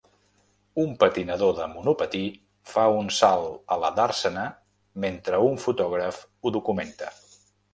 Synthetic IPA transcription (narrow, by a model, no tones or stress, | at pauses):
umpət̪inəðoðəmunupət̪i | faunsalˠələðaɾsənə | ment̪ɾəuɱfut̪ɔɣ̞ɾəfuðukument̪ə